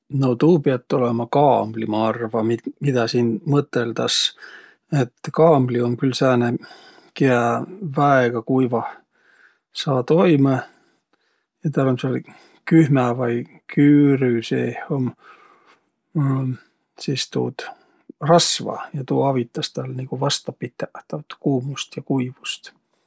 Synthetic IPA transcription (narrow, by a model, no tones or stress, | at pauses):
not̪uːpeɑt̪ːˑolemɑkɑːmblimɑːrvɑmimid̪̥ɑsiːnmɤt̪ːˑe̞ld̪ɑs | et̪ːˑkɑːmblio̞mkylsæːne | keævæeɡ̥ɑkujvɑ | sɑːt̪o̞jme | jɑt̪æɾɑnsel | kyhmævɑj | kʰyːɾysḛːhom | siːst̪ṵːd̪̥ | rɑsvɑ̰jɑt̪uːɑvit̪ːˑɑst̪æːlniɡ̥uvɑst̪ɑpit̪ːˑet̪ːɑt̪kuːmust̪jɑkujvu̥st̪